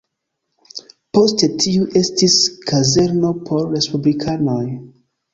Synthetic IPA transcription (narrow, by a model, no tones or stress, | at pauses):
po̞stetʰiuʔe̞stisɡ̥aze̞ɾno̞pʰo̞ɾɾe̞spublikʰano̞j